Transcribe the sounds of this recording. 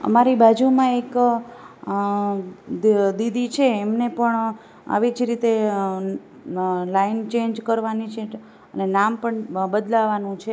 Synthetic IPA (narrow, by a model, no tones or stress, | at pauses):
ə̰maɾibad͡ʒumãek | d̪id̪it͡ʃʰeːmnepəɳ | a̰ʋid͡ʒɾit̪e | laint͡ʃeɲd͡ʒkəɾʋanit͡ʃʰe | ənenampəɳbəd̪laʋanũt͡ʃʰe